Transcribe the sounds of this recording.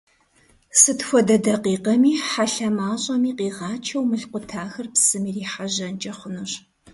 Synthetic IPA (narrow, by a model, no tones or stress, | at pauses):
sɨtxʷɔdɐdɐqiːqɐmiːħaɬɐmaːɕʼɐmiːqʼiːʁɑːt͡ʃʰɐwmɨɬqʷʊtʰaːxɐrpsɨmiːriːħaʑɐnt͡ʃʼɐχʷʊnɨɕ